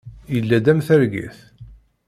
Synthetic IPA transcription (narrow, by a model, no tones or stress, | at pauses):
jəlːæd̪æmθæɾɡḭθ